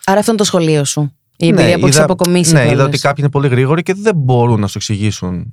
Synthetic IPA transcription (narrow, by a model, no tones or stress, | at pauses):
ɐɾɐft̪oinet̪osxo̞lio̞su | ienbiiɐoikðɐspokomisneiðɐot̪i̥kɐpçine̞po̞liɣɾiɣo̞ɾiceðe̞mbo̞ɾunːɐsueksiʝisun